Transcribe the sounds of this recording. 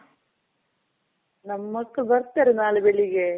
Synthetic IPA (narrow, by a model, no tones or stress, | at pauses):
nɐmːɐʈːɐbɐɾt̪ːeːɾenaːlɐbeɭiɡe